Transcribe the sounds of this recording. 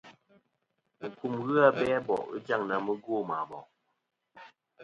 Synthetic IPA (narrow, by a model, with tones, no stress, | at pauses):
u˨kʰu˨mɣɨ˦a˨˦bɛː˦bɔ̰˨ʔɯ̰˦d͡ʒa˦˨ŋna˨mə˦ɡo˦˨ma˨bɔ˨ʔ